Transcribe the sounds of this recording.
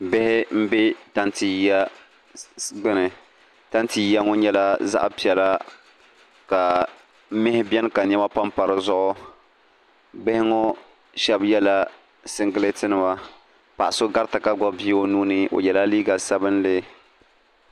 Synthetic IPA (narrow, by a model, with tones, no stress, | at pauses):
bɪ˦hɪ˦m̩˦be˦ta˦nti˨˦a˦ | ɡ͡bɪ˦nɨ˨ | ta˦nti˨˦a˦ŋo˦ɲɛ˦la˦za̰˦ʔpi˨ɛ˨la˦ | ka˨ | m̩˦mɪ˦hɪ˦bɛ˦n˦ka˨ɲ˦ɛ˦ma˦pa˦mpa˨ɾɨ˨zʊ˦ʔʊ˦ | bɪ˦hɪ˦ŋo˦ | ʃɛ˦bjɛ˦la˦ | sɨ˦ŋɡɨ˦lɨ˦tɨ˦nɨ˦˨ba˨ | pa̰˨ʔa˨so˦ɡa˦ɾta˨ka˦ɡɔ˦bi˦o˦nuː˦nɨ˦o̰˨jɛ˨la˦liː˦ɡa˨sa˦bɨ˦n˦lɪ˦